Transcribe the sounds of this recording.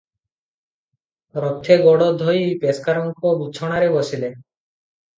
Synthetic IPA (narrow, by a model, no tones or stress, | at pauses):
ɾɔt̪ʰːeɡɔɽɔd̪ʱojpeskaɾɔŋkɔbut͡ʃʰɔɽ̃aɾebosile